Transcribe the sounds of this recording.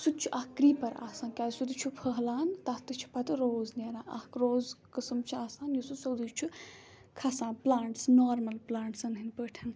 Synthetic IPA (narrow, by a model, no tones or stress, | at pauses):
sut̪̚t͡ʃʰuʔɐhkːɾiːpɐɾa̰ːsãːnkʲaːjsud̪it͡ʃʰupʰəɦlaːnt̪ɐht̪ɨt͡ʃʰi̥pɐt̪ɨɾoːznʲaːnãːʔɐ̰hkɾoːzkɨsɨmt͡ʃʰuaːsaːnjususoːd̪it͡ʃʰu | kʰɐsaːnplaːɳʈsnoːɾmɐlplaːɳʈsɐnɦɨnpəːʈʰɐn